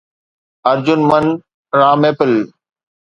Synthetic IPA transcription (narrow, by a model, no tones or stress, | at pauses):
ɐɾd͡ʑʊnmən | ɾãːmeːpɪl